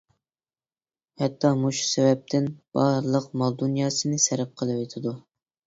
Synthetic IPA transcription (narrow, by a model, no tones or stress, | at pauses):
hɛt̪ʰːɑmuʃu̥sɛvɛp̚t̪ʰɪnb̥ɑɾɨlˠəqmɑlˠd̪unjɑːsɨnɪsɛɾɪp̚qʰəlˠɨwet̪ʰɪd̪u